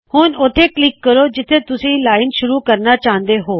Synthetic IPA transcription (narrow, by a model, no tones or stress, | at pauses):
huːnʊt̪ʰeklɪkːɐɾod͡ʑɪt̪ʰet̪ʊsẽlaːɪnʃʊɾukɐɾnat͡ɕaːɦə̃n̆d̪eɦoː